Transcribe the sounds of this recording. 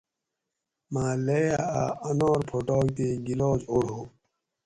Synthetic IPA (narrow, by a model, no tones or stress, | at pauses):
maːlejaa̰ɐnoːɾpʰoʈoːk̚t̪eːɡiloːd͡ʑoɽoː